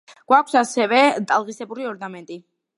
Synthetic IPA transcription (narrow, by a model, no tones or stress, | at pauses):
ɡ̥wakʰwsasɛvɛt̪ʼalˠʁisɛbuɾiɔɾnamɛnt̪ʼi